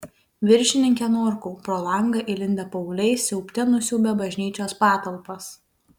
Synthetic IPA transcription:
ʋʲɪɾʲʃʲɪnʲɪŋʲkʲɛnoːɾkuːpɾoːlˠɐˑŋɡɐʔɪlʲɪnʲd̪ʲɛpɐʊlʲɛɪsʲɛʊpʲt̪ʲɛnʊsʲuːbʲɛbɐʒʲnʲiːt͡ʃʲoːspɑːt̪ɐlˠpɐs

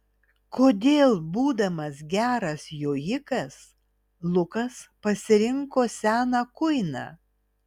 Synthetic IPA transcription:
koːd̪ʲeːlˠbuːd̪ɐmɐsɡʲæːɾɐsjoːjɪkɐs | lˠʊkɐspɐsʲɪɾʲɪŋkoːsʲæːnɑːkʊɪnɑ̰ː

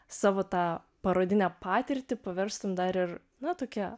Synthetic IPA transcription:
sɑːʋoːt̪ɑː | pɐɾoːd̪ʲɪnʲɛpɑːt̪ʲɪɾʲt̪ʲɪpɐʋʲɛɾst̪ʊmd̪ɐɾɪr | nɐt̪oːkʲɛ

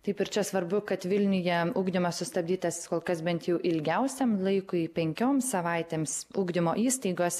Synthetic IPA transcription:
t̪ɐɪpɪɾt͡ʃʲɛsʋɐɾbʊkɐt̪ʋʲɪlʲnʲʊjɛuːɡd̪ʲɪmɐssʊst̪ɐb̚ʲd̪ʲiːt̪ɐskoːlˠkɐsbʲɛnt̪jɛʊʔɪlʲɡʲɛʊsʲɛmlˠɐɪkʊipʲɛŋʲkʲoːmsɐʋɐɪt̪ʲeːmsuːɡd̪ʲɪmoːʔiːst̪ɐɪɡoːs

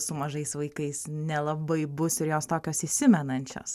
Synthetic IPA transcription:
sʊmɐʒɐɪsʋɐɪkɐɪsnʲɛlˠɐbɐɪbʊsɪɾjoːst̪oːkʲoːsiːsʲɪmʲɛnɐnʲt͡ʃʲo̰ːs

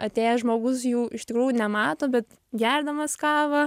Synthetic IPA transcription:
ɐt̪ʲeːjɛʒmoːɡʊsjuːʔɪʃt̪ʲɪkɾuːjunʲɛmɑːt̪oːbʲɛt̪ | ɡʲɛrd̪ɐmɐskɑːʋɐ

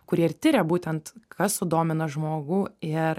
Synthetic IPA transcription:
kʊɾʲiɛɪɾt̪ʲɪɾʲɛbuːt̪ʲɛnt̪kʰɐssʊd̪oːmʲɪnɐʒmoːɡuːɪɾ

